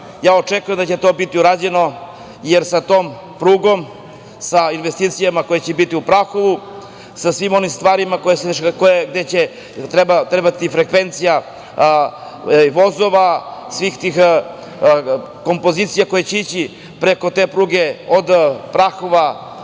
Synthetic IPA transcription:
jaːot͡ʃekujemd̪at͡ɕe̞t̪o̞ːbit̪iuɾaːd͡ʑe̞no̞ | jeɾsat̪o̞ːm | pɾuːɡo̞m | sainʋest̪iːt̪sijamako̞jet͡ɕebit̪iupɾaxoʋu | sasʋimo̞nimst̪ʋaːɾimakojesekojeɡd̪et͡ɕe | t̪ɾebat̪ɾebat̪ifɾe̞kʋe̞nt̪sija | ʋo̞zo̞ʋasʋiːxt̪iːx | ko̞mpo̞zit̪sijako̞jet͡ɕeit͡ɕi | pɾe̞ko̞t̪e̞ːpɾuːɡe̞od̪pɾaxoʋa

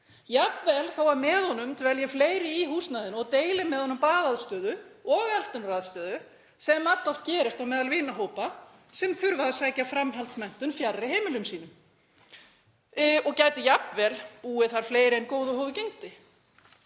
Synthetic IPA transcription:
japvɛlθawaɾmɛːðhɔnʏmt̪ʰvɛljɛfleːjɾɪiɦuːsnaðɪnɔɣt̪eːjlɪmɛðhɔnːmpaːðaðst̪œːðʏɔɣɛl̥t̪ʏnraðst̪œːðʏ | sɛmːat̪lɔft̪cɛːɾɪst̪awmɛːðalvɪːnaɦoːwpa | sɛmθʏɾvaðsaːjcafɾamɦalt̪smɛn̥t̪ʏnfjarrːɪɦeːmɪlʏmsiːnʏm | ɔɣcaːɥt̪ɪjapnvɛlpuːɪθaɾ̥fleːjɾɪejnkoːwðʏɦoːvʏcejŋt̪ɪ

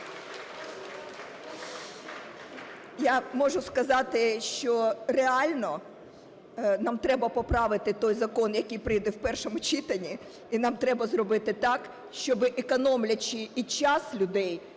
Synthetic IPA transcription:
jamɔʒʊskɐzɑt̪ɪʃt͡ʃɔreɑlʲnɔ | nɑmt̪ɾɛbɐpɔpɾɑʋɪt̪ɪt̪ɔjzɐkɔnjɐkijpɾɪjd̪ɛwpɛrʃɔmʊt͡ʃit̪ɐnʲi | inɑmt̪ɾɛbɐzrɔbɪt̪ɪt̪ɑk | ʃt͡ʃɔbɪʔekɔnɔmlʲɐt͡ʃɪit͡ʃɑslʲʊd̪ɛj

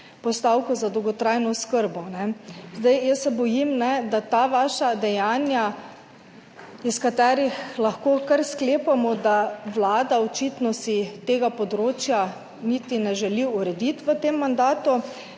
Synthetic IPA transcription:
pɔst̪awkɔzad̪ɔwɡɔt̪ɾajnɔskəɾbɔnɛzd̪ajjəsːɛbɔjimnɛd̪at̪aʋaːʃad̪ɛjaːnja | iskat̪ɛːɾixlaxkoːkaɾskleːpamɔd̪aʋlaːd̪aɔt͡ʃit̪nɔsit̪eːɡapɔd̪ɾoːt͡ʃja | nit̪inɛʒɛliuɾɛd̪it̪ʋət̪emːand̪aːt̪u

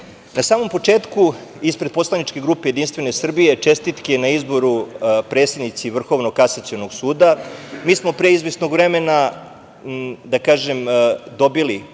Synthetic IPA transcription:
nasaːmo̞mpo̞t͡ʂe̞ːt̪kuispɾed̪po̞slˠanit͡ʂke̞ɡɾuːpejed̪inst̪ʋe̞ne̞sr̩bije̞t͡ʂe̞st̪it̪kinaizbo̞ɾupɾet̪sjed̪nit̪siʋr̩xo̞ʋnoɡkːasat̪sionoɡsuːd̪amiːsmo̞pɾeizʋesnoɡʋɾeme̞na | d̪akaːʒemd̪o̞bili

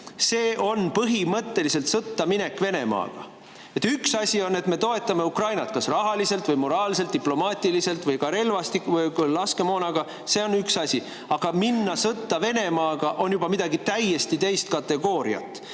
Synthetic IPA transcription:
se̞ːʔo̞npɤɦimɤt̪ːe̞lise̞lt̪sɤt̪ːɑmine̞kːve̞ne̞mɑ̰ːɡ̥ɑ̰ | et̪ːyksɑsʲio̞nːe̞t̪me̞t̪o̞e̞t̪ːˑɑme̞ukrɑjnɑt̪kɑsrɑɦɑlise̞lt̪vɤjmo̞ɾɑːlselt̪̚d̪iplo̞mɑːt̪ʲːˑilise̞lt̪ˑvɤjkɑɾe̞lvɑst̪ikvjlɑske̞mo̞ːnɑɡ̥ɑ | se̞o̞nːyksɑsʲi | ɑɡ̥ɑminːɑsɤt̪ːɑve̞ne̞mɑːɡ̥ɑʔo̞njub̥ɑmid̪̥ɑɡit̪æje̞st̪it̪e̞jst̪̚kɑt̪ːe̞ɡo̞ːɾḭɑ̰t̪ːˑ

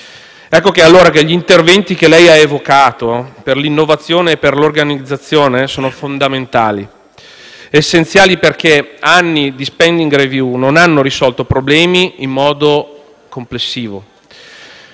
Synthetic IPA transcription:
ɛkːokealːoːɾakeʎint̪ervɛnt̪ikelɛjaevokaːt̪operlinːovat̪sːjoːneːpːerlorɡanid̪zːat̪sːjoːnesoːnofond̪ament̪aːli | esːent̪sjaːliperkeanːid̪ispɛnd̪iŋɡrevjunonanːoɾisɔlt̪opɾoblɛːmiːmːɔːd̪o | komplesːiːvo

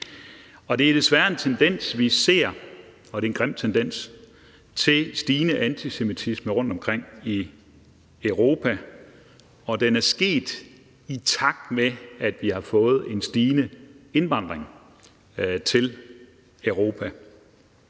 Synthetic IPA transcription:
ɒ̽d̥e̝æɐd̥e̝sʋæɐe̝nt͡sʰend̥en̰sʋise̝ɐ̰ | ɒ̽d̥e̝enɡʁem̰d̥̚t͡sʰend̥en̰s | t͡sʰe̝sd̥iːnəʔænt͡sʰise̝mit͡sʰisməʁɔ̽n̰d̥ɒ̽mkʰʁeŋ̰i | øʊʁo̝ːpʰæ | ɒ̽d̥enæɐsɡ̥e̝̰ːd̥ | it͡sʰɑ̈ɡ̥̚d̥meæd̥ʋihɑ̈fɔ̽ːð̞̩ˠe̝nsd̥iːnəe̝nʋɑ̈n̰d̥ʁeŋ | t͡sʰe̝l | œʊʁo̝ːpʰæ

